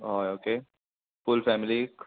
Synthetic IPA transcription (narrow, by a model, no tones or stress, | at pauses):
oːoːkeː | fʊlfɛːmɪli